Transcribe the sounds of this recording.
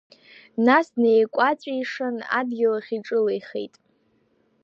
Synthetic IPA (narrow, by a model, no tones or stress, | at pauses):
nasnejkʷʼat͡sʷʼaiʂana̰dɡʲɪlaχʲiʈ͡ʂʼɨlajχḛjtʼ